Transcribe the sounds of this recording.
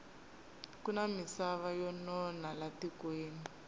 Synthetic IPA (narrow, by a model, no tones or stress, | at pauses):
kunamisaβajɔnɔnalatikweːni